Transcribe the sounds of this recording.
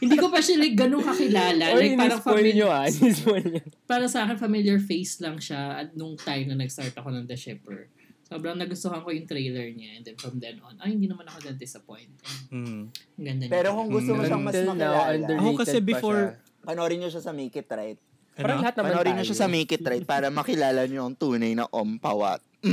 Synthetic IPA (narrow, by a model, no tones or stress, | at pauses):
hɪnd̪iːkopɐʃɐlɐjk̚ɡɐnoŋkɐkɪlaːlɐɐjpaɾɐŋfɐmiɲoaɪispɲpaːɾɐsɐʔaːkɛnfɐmiljɐɹfejslɐŋʃaɐt̪̚nʊŋt̪ajmnɐnɐɡst̪aɹt̪ɐko̞nɐŋd̪ɐʃɛpɛ̰ɹ | soːbɾɐŋnɐɡʊst̪ohɐŋkojʊŋt̪ɾejlɛɹɲaʔɛnd̪ɛnfɹɐmd̪ɛnʔo̰nʔohɪnd̪iːnɐmanɐkod̪ɐd̪ɪsɐpo̰jnt̪ɛ | ɡɐnd̪ɐpɛːɾokʊŋɡʊst̪omoʃaŋmɐlɐnawaɐnd̪ɛokɐɛbɪoɹ | pɐnoɾɪɲoʃasɐmiːkɪt̪ɾajt̪̚ | ɐɾɐŋlɐhat̪nɐɐmoɾɪɲoʃasɐmikɪt̪ɾajt̪̚paːɾɐmɐkɪlaːlɐɲoɐŋt̪uːnɐjnɐ̰ʔompawɐ̰t̪̚